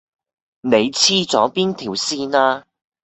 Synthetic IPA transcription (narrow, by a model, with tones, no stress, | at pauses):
ne˨˧jt͡sʰiː˥t͡sɔː˨˥piː˥nt̪ʰiː˨˩wsiː˥naː˥